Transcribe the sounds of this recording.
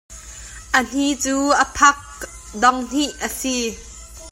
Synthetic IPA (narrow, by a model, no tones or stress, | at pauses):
ʔən̥it͡suːʔəpʰɐk̚ | dɔŋn̥iʔəsi